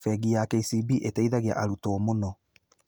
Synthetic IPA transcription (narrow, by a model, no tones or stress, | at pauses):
fɛɣijakɛisibiʔetɛiðaɣea̰ʔaɾutoːmonɔ